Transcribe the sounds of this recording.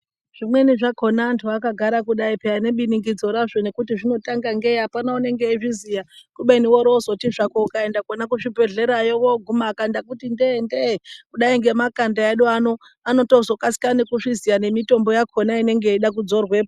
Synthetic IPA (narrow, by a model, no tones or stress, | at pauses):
ʐ̥imwe̞niʐakʰo̞naːntʰuakaɡʱaɾakuɗaipeane̞ɓiniŋɡid͡zo̞ɾaʐo̞ne̞kutiʐino̞taŋɡaŋɡe̞ɦapanaune̞ŋɡe̞iʐizijakuɓeniwoɾozotiʐakoukae̞ndakonak̬uʂibʱe̞ɮe̞ɾajoʋoɡʱumakandak̬utindendekuɗaiŋɡe̞makandaaɗuano̞ | ano̞tozo̞kasi̥kanekuʂizijane̞mito̞mbo̞jakʰo̞naine̞ŋɡeiɗak̬ud͡zo̞rwe̞ːpa